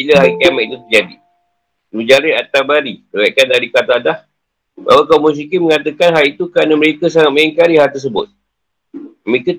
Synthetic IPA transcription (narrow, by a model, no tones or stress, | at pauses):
iləɦakamaʔit̪ut̪əd͡ʒadi | nud͡ʒaɾɪat̪abaɾiəɾaʔkandaɾikat̪adah | ba̰wakaumus̬ikiməŋat̪əkanɦalit̪ukɾanəməɾekəsaŋat̪̚majiŋkaɾihɦalt̪ərs̬əbʊ̰t̪̚ | məɾekə